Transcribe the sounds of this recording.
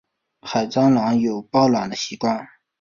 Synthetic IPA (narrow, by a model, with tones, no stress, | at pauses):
xa˨˩ɪt͡sɑ˥ŋlɑ˧˥ŋjo˨˩ʊpɑ˥˩ʊlwa˨˩nd̪ə˦ɕi˧˥kwa˥˩n